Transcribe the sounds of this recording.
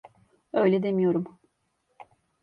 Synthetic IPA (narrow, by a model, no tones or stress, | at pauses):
ø̞jlʲɛd̪emijo̞ɾum